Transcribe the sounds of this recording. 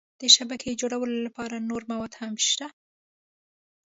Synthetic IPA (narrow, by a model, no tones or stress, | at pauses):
d̪̥əʃabakʰed͡ʒoɽawəlolapɑɾanoɾmawɑd̪hamʃt̪a